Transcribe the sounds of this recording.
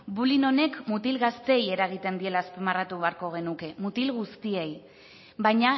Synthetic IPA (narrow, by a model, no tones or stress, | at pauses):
bulino̞ne̞kmut̪ilɣast̪e̞je̞ɾaɣ̞it̪e̞nd̪ie̞laːspemarat̪uβeaɾko̞ɣ̞e̞nuke̞mut̪ilɣust̪ie̞j | βajɲa